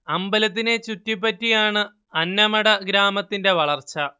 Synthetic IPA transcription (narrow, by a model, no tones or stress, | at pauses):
ɐmbɐlɐt̪̬ːine̞t͡ɕutːip̬ːɐtːijaːɳɨ | ɐnːɐmɐɽɐɡɾaːmɐt̪ːinde̞ʋɐɭɐrt͡ɕːɐ